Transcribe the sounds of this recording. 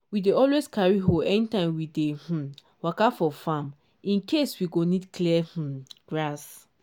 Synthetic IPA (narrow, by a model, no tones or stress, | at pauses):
wideɔlweskaɹiɦoɛnitãmwideh̩ | wakafɔfam | ĩnkʰeswiɡonidkliɛh̩ɡ̥ɹas